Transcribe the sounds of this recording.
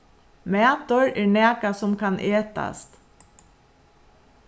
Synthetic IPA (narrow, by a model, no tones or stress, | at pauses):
mæːt̪ʊɹɛːɹnæːkasʊmkʰanʔeːt̪a̰st̪